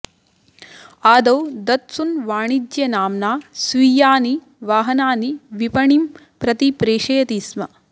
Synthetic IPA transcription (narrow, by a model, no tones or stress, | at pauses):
aːd̪ɐwd̪ɐt̪sunʋaːɳid͡ʒjɐnaːmnaːsʋiːjaːni | ʋaːɦɐnaːniʋipɐɳim | pɾɐt̪ipɾeːʂɐjɐt̪iːsmɐ